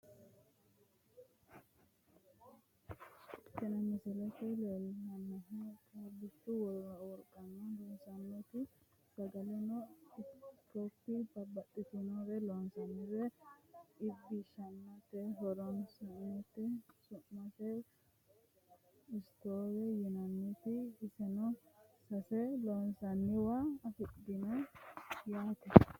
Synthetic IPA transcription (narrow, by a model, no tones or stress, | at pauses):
kɛnɛmɪsɛlɛt̪ɛlelɐnːɛɦɛkʼabɪtːʊwɔwɔlkʼːɐnːɐlɔnsɐnːɛt̪ɪ | sɐɡɐlɛnɔ | kɔpːɪbɐbɐtʼːɪt̪ɪnoɾɛlonsɐnːɛɾɛ | ɪbːɪʃɐmːɐt̪ɛɦɔɾɔnsɐnt̪ːɛsʊmːɐt̪ɛ | ɪst̪oːɾɛjɪnɐnːɪt̪ɪːsɛnɔsɐsɛlɔnsɐnːɪwaːfɪd̪ːɪnɐ | jaːt̪ɛ